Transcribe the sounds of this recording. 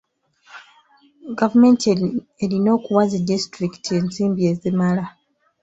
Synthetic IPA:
ɡavume̞ntelino̞ːkuwazidistɾiki̥tʰie̞nziːmbie̞zemala

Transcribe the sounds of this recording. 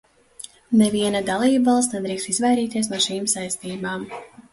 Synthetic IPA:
neviɛnad̪alˠiːbvɑlˠst̪ned̪ɾiːkst̪izvajɾiːt̪iɛs̬nuɔʃiːmsajst̪iːumaːm

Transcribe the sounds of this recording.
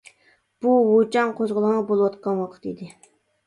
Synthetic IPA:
b̥uwot͡ʃʰɑŋqʰoʒʁʊlˠəʁnɑbolˠwɑt̪qɑnwɑqʰə̥t̪ḭd̪ɪ

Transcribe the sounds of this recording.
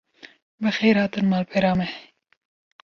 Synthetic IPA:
bɨxejɾhɑːt̪ɨnmɑːlpʰeɾɑːmɛ

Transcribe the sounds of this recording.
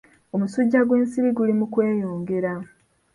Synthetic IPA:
omusuɟːaɡweːnsiβiɡulimukwe̞ːjo̞ːŋɡe̞ɾa

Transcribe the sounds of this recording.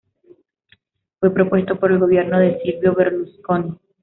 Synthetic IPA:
fwe̞pɾo̞pwe̞st̪o̞po̞ɾe̞lɣo̞βje̞ɾno̞ðe̞silβjo̞βe̞ɾlusko̞ni

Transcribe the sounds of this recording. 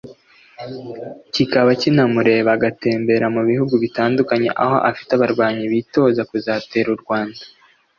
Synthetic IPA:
cikaβacinamuɾe̞ːβaɡate̞ːmbe̞ɾamuβihuɡuβitaːndukaɲe̞̰ʔa̰ho̞̰ʔafi̥taβaɾɡwaːɲiβito̞ːzakuzaːte̞ːɾuɾɡwaːnda

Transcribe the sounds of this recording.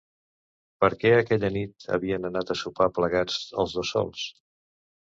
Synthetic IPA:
pəɾkɛəkɛʎənit̪ə̰βiənənat̪əsupapləɣad͡zə̰lˠzðosɔ̰lˠs

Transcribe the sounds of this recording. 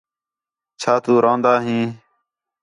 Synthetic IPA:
t͡ʃʰaːt̪uːɾãːnd̪aːɦĩː

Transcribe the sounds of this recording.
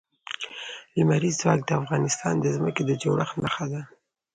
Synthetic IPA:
limaɾizzwɑk̚d̪əafɣɑnɪst̪ɑ̰nd̪əzməked̪əd͡ʒawɽʔaxnaxad̪a

